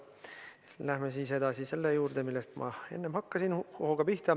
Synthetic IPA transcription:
læhmesiːse̞d̪ɑsise̞lːejuːrd̪̥e̞milːest̪mʔɑ̰e̞̰nːemhɑkːɑsinhohoɡ̥ɑpiht̪ɑ

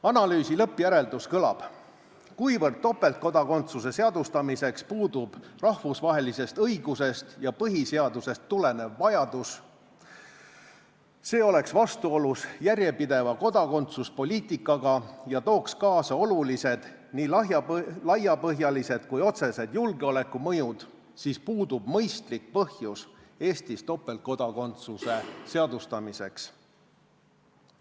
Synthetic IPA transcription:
ɑnɑlyːsilɤpːˑjæɾe̞ld̪uskɤlɑ̰b̥ | kujvɤrd̪̚t̪ːo̞pːe̞lt̪̚ko̞d̪ɑko̞nt̪suse̞se̞ɑd̪̥ust̪ɑmise̞kspuːd̪ub̥rɑhvusvɑɦe̞lise̞st̪ɤiɡuse̞st̪jɑpɤɦise̞ɑd̪̥use̞st̪ːule̞ne̞vːɑjɑd̪̥us | se̞ːo̞le̞ksvɑst̪uo̞lusjærje̞pid̪e̞vɑko̞d̪ɑko̞nt̪suspo̞lʲiːt̪ˑikːˑɑɡ̥ɑjɑt̪o̞ːkskɑːsɑo̞lulise̞d̪̥ | niːlɑjɑlɑjɑpɤɦjɑlise̞d̪̥kujo̞t̪se̞se̞d̪̥julɡeo̞le̞kːˑumɤjud̪̥ | sispuːd̪̥ub̥mɤjst̪lik̚pɤhjus | e̞ːst̪ist̪o̞pːˑe̞l̚ko̞d̪̥ɑko̞nt̪suse̞se̞ɑd̪̥ust̪ɑmise̞̰ks

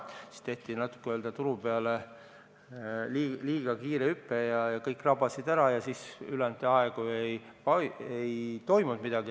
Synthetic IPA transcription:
si̥st̪e̞ht̪inɑt̪ːˑu̥kːeøld̪̥ɑt̪uɾupeɑle | liliːɡ̥ɑkiːɾeypːe̞jɑjɑkɤjkːˑrɑbɑsid̪æɾɑjɑsisylɛnt̪eɑeɡ̥uejpɑejt̪o̞jmud̪mid̪̥ɑɡ̥i

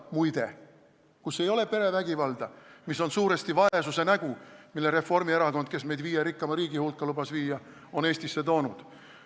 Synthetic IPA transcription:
mujd̪e | kusːe̞jo̞le̞pe̞ɾe̞væɡivɑld̪ɑmisːo̞nsuːɾe̞st̪ivɑe̞suse̞næɡ̥umilːe̞ɾe̞fːo̞rmie̞ɾɑko̞nd̪̥̚ke̞sme̞jd̪viːjeɾikːɑmɑɾiːɡ̥ihulkːˑɑlubɑsviːjɑ | o̞ne̞ːsʲt̪isːe̞t̪o̞ːnud̪̥

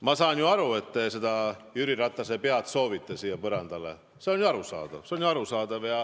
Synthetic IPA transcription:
mɑsɑːnjuɑɾue̞t̪ːe̞se̞d̪ɑjyɾiɾɑt̪ˑːɑsepeɑt̪so̞ːvit̪ˑːesiːjepɤɾɑnd̪ɑlḛ | se̞o̞njuɑɾusɑ̰ːd̪̥ɑ̰v̥seonjuɑɾusɑːd̪̥ɑvjɑ

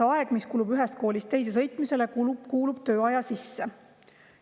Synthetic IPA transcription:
ɑe̞ɡ̥miskuːlubyɦɛst̪̚ko̞ːlʲist̪e̞js̬e̞s̬ɤjt̪ˑmise̞le̞kukuːlub̥̚t̪øːɑjɑsisːe

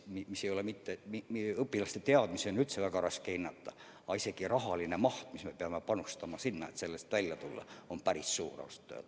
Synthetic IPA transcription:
mimisːejo̞lemit̪ːemiiɤpːilɑst̪et̪eɑd̪̥miseonylt̪sevækɑrɑskeinːɑt̪ːɑ | ɑisekirɑɦɑlinemɑht̪mismepeɑmepɑnust̪ɑmɑsinːɑet̪se̞lːest̪ʋælʲjæt̪ulːɑ̰ompæɾisːuːrɑ̰ɑst̪ːø̰ːt̪

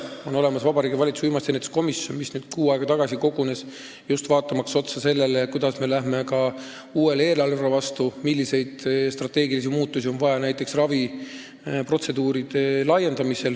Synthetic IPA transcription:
o̞no̞le̞mɑsvɑbɑɾiːɡivɑlʲit̪su̥vijmɑst̪enet̪e̥sko̞misjo̞nmisnyːd̪̥kuːɑeɡ̥ɑt̪ɑɡ̥ɑsiko̞ɡ̥une̞s | just̪vɑːt̪ːˑɑmɑkso̞t̪sɑse̞lːe̞lekujd̪̥ɑsme̞læɦme̞kɑ | uːe̞le̞ːlɑlrɑvɑst̪umilʲːise̞jd̪̥st̪rɑt̪ːˑe̞ːɡilis̬imuːt̪ːˑusio̞nvɑjɑnæjt̪ˑːe̞ksrɑvi | pro̞t̪se̞d̪uːɾid̪̥e̞lɑje̞nd̪̥ɑmise̞l

